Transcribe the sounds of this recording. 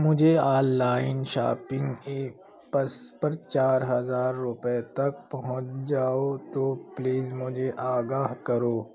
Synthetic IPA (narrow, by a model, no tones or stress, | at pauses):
mʊd͡ʒʱeaːlːaːɪnʃa̰ːpɪ̃ŋɡeː | pɐspɐɾt͡ʃaːɾɦɐzaːɾːʊpet̪ɐk̚pɐɦʊ̃t͡ʃd͡ʒaːot̪oːpliːzmʊd͡ʒʱeʔaːɡaːɦkɐɾoː